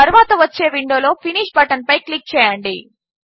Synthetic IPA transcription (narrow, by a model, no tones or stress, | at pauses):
ɐɾuʋaːt̪ɐʋɐt͡ʃːe̞ːʋiɳɖjoːlo̞ːpʰiniːʂbɐʈɐnpɐjklik̚t͡ʃɛːjaːɳɖi